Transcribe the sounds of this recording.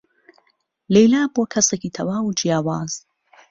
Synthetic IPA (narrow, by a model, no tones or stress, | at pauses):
lejlaːboːkʰɐseːciːt̪ʰɐwaːwud͡ʒijaːwaːz̥